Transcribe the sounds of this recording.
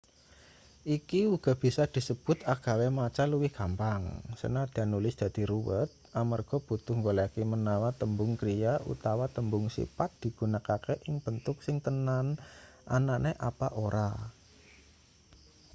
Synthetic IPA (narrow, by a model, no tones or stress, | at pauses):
ʔikiwuɡ̥a̤b̥i̤sad̪̥i̤səb̥ʊt̪aɡ̥a̤wemat͡ʃaluwɪhkampaŋsə̰nad̪̥anulɪsd̪̥a̤d̪̥i̤ɾuwə̰t̪̚ʔamarɡ̥ɔ̤b̥ṳt̪ʊhŋɡolakimənawat̪əmbʊŋkɾijaʔṵt̪awat̪əmbʊŋsḭpat̪̚d̪̥i̤ɡ̥ṳnakakeʔɪŋb̥ənt̪ʊk̚sɪŋt̪ənan | ʔa̰naʔneʔapa̰ʔoɾʔa